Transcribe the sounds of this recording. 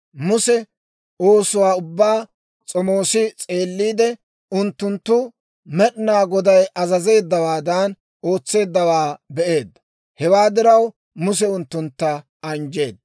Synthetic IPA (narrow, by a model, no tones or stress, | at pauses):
mʊsɛ | oːsʊwaːʊbːaː | t͡sʼɔmo̞ːsɪt͡sʼe̞ːlːiːd̪ɛ | ʊnt̪ːʊnt̪ːʊ | mɛɗnaːɡɔd̪ɐjʔɐzɐze̞ːd̪ːɐwaːd̪ɐn | o̞ːt͡sːe̞ːd̪ːɐwaːbɛʔe̞ːd̪ːɐ | hɛwaːd̪ɪɾɐw | mʊs̬ɛʊnt̪ːʊnt̪ːɐ | ɐnd͡ʒe̞ːd̪ɐ